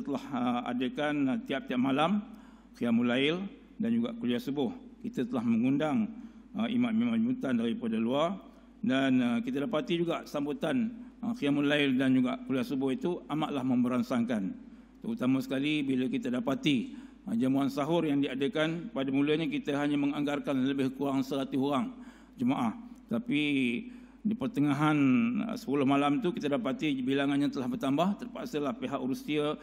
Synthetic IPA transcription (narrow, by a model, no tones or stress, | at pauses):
t̪əlahəa̰dəkant̪iap̚t̪iap̚malam | kiamulaɪl | dand͡ʒuɡaʔkuliasəbʊhkit̪ət̪əlahməŋundaŋ | əimanmimãnmut̪andaɾipadaluar | dankit̪aədapat̪id͡ʒuɡaʔsambut̪anxiamulaɪldand͡ʒuɡaʔkuliasəbʊhit̪uamaʔlahmə̃mbəɾansaŋkan | t̪əut̪amasə̥kalibiləkit̪adapat̪i | d͡ʒamuansaɦʊrjaŋdiadəkanpadamuləɲak̬it̪əɦaɲaməŋaŋɡarkanləbɪhkuɾaŋsəɾat̪iɦuɾaŋ | d͡ʒəmaʔaht̪api | dipərt̪əŋaɦan̰sə̥pulʊhmalamt̪ukit̪adapat̪ibilaŋanɲat̪əlahbərt̪ambaht̪ərpa̰ʔsəlahpeɦaʔuɾusiə